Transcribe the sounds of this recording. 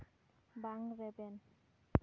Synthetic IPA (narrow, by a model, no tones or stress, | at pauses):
baŋɾeben